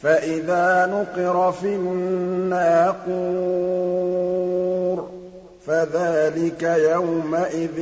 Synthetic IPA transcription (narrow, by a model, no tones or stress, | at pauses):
faʔɪðaːnʊqɪɾˤɑfiː | aːquː | ɾ | faðaːlɪkajawmaʔɪð